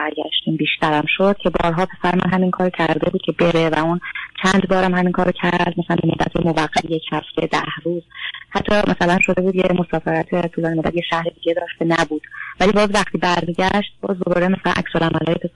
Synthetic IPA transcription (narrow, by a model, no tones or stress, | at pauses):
æɾɡæ̰ʃt̪iːmbiːʃt̪æɾæmʃod̪̥cʰe̞bɒ̰ːɾɦɒːpʰe̞sæɾemæ̰nɦæminkʰɒːɾocʰæɾd̪e̞buːd̪̥̚cʰe̞be̞ɾevæunt͡ʃʰænd̪bɒːɾæmhæminkʰɒːɾocʰæɾɾd̪̚mæsælænbemod̪ːæ̰t̪ʰemovæqːæt̪ʰejecʰhæft̪ʰe̞d̪æhɾuːzhæt̪ʰːɒmʔæsælænʃo̞d̪e̞buːd̪cʰemo̞sɒːfeɾæt̪ʰet̪ʰuːlɒːnemod̪æd̪jeʃæhɾed̪iːɟed̪ɒːʃt̪ʰenæbuːd̪̥væliːbɒːzvæxt̪ʰiːbæɾmiːɟæʃt̪̚b̥ɒ̰ːzd̪o̞bɒːɾemæsælæ̰nʔæ̰csolæmælɒːjepʰe